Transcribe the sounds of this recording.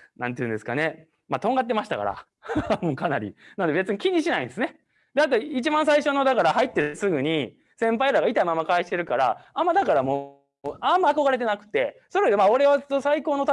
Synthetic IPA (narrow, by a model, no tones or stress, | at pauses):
nãnt̪iɯ̟̃ne̞sɨ̥ka̰ne̞ | mat̪õ̞ŋɡat̪̬ːe̞maɕi̥t̪a̰ka̰ɾa̰ | moːkanaɾʲḭnand̪e̞be̞t͡sɨɲ̟ikʲiɲ̟ːiɕinaĩnd̪esɨne | d̪eat̪̬oit͡ɕibãɰ̃s̬aiɕo̞nod̪akaɾaɦait̪ːe̞sɨɡɯ̟ɲ̟i | sẽ̞mpaiɾaɡait̪aimamːakaeɕi̥t̪e̞ɾɯ̟kaɾa̰amːad̪akaɾamo | amːaːko̞ɡaɾe̞t̪̬e̞nakɯ̟̥t̪e̞soɾed̪emao̞ɾe̞βat̪ːosaiko̞ːnot̪a